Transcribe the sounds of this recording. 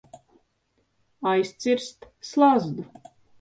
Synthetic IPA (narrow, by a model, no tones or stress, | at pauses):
ajst̪sʲiɾst̪slˠazd̪u